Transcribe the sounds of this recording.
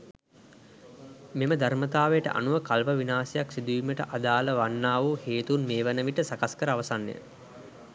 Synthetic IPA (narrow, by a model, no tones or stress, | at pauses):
meməd̪ʱaɾmət̪aːʋejəʈə̰ʔa̰nuʋəkalpəʋinaːsɐjaksid̪uʋiməʈə̰ʔad̪aːləʋanːaːʋuheːt̪unmeːʋənəʋiʈəsakaskəɾəaʋɐsanːḛjə̰